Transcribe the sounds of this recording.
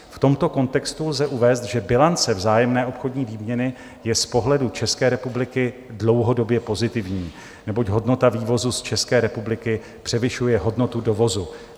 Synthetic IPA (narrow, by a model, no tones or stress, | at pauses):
ft̪o̞mt̪o̞ko̞nt̪ɛkst̪ulzɛʔuvɛːst̪ʒɛbɪlant͡sɛvzaːjɛmnɛːʔopxo̞dɲiːviːmɲɛnɪ | jɛspo̞ɦlɛdut͡ʃɛskɛːɾɛpublɪkɪdlo̞wɦo̞do̞bjɛpo̞zɪt̪ɪvɲiː | nɛbo̞cɦo̞dno̞t̪aviːvo̞zust͡ʃɛskɛːɾɛpublɪkɪ | pr̝̥ɛvɪʃujɛɦo̞dno̞t̪udo̞vo̞zu